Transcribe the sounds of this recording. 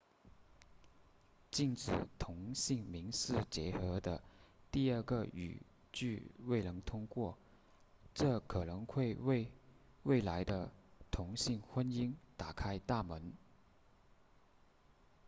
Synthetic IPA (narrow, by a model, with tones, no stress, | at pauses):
t͡ɕi˥˩nʈ͡ʂɻ̩˨˩t̪ʰʊ˧˥ŋɕi˥˩ŋmi˧˥ŋʂɻ̩˥˩t͡ɕjɛ˧˥xɤ˧˥d̪ə̰˧t̪i˥˧ə˞˥˩ɡə˧y̰˨˩ | t͡ɕy˥˧we˥˩ɪnɤ˧˥ŋt̪ʰʊ˥ŋkwɔ˥˩ | ʈ͡ʂɤ˥˩kʰɤ˨˩nɤ˧˥ŋxwe˥˧ɪwe˥˧ɪ | we˥˩ɪla˧˥ɪd̪ə˧t̪ʰʊ˧˥ŋɕi˥˩ŋxwə˥ni˥nt̪a˨˩kʰa˥ɪt̪a˥˩mə˧˥n